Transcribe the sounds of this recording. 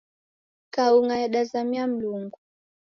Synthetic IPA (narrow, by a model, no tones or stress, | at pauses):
kauŋajaɗazamiam̩luŋɡu